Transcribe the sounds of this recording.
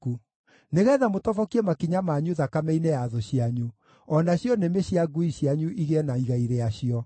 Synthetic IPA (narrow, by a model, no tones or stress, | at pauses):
ku | neɣɛðamotɔvɔkiɛmakiɲamaɲuðakamɛinejaðoɕiaɲu | ɔnaɕjɔnemeɕiaɡuiɕjaɲuʔiɣɛnaiɣaiɾeaɕiɔ